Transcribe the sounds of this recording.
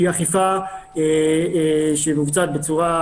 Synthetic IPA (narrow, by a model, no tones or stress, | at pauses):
aχifae | ʃemivut͡sat̪̚bet͡suʁa